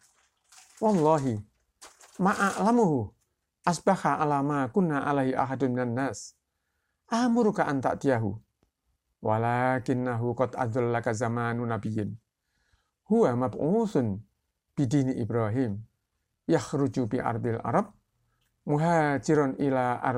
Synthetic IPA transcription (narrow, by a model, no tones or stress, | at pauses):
wɑlˤːɑɦi | maʔaʔlamuɦu | ʔasbahaʔalamakunːaʔalaɦiʔa̰ɦadminanːaːs | ʔamuɾukaʔant̪a̰ʔt̪ijaɦṵ | walakɪnːaɦukɔt̪ʔa̰dʊlːakazamanunabijɪn | huwamabʔusʊn | b̥idiniʔibɾaɦim | jahɾud͡ʒubiʔa̰ɾb̪ilʔa̰ɾɑb̚ | muɦad͡ʒiɾɔnʔilaʔa̰